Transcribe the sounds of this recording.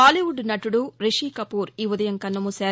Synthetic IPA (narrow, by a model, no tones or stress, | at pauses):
aːliʋuɖnɐʈuɽuɾeʂiːkɐpuːɾiːʋud̪ɐjɐŋkɐnːɐmusaː